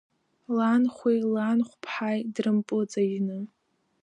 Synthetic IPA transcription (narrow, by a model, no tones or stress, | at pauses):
lanχʷejlanχʷpʰħajdrɨmpʼɨt͡sʼaʒnɨ